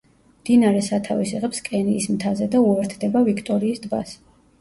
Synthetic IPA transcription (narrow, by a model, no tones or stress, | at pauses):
md̪̥inaɾɛsat̪ʰavisiʁɛpskʼɛniːsmt̪ʰazɛd̪auɛɾt̪ʰd̪ɛbavikʰt̪ʼɔɾiːsd̪ba̰s